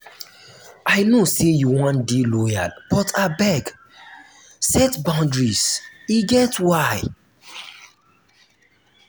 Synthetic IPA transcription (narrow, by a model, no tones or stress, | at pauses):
ʔajnosejuwɔ̃ndelɔja̰lb̥ɔtʰabɛɡ | sɛtbãʊ̃ndɹisiɡɛtwaj